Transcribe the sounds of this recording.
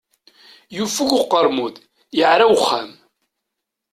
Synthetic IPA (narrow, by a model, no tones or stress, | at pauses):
jufuʝʊqːəɾˤmuð | jəʕɾawχæm